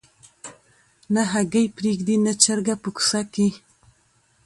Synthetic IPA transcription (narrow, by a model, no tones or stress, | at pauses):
naɦaɡajpɾiɡd̪inat͡ʃaɾɡapəku̥saki